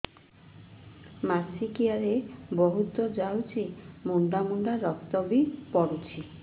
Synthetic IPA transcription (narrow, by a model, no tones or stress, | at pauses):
masikiaɾebɔɦut̪ɔd͡ʒawt͡ʃʰimuɳɖ̪amuɳɖaɾɔk̚t̪ɔbipɔɽut͡ʃʰi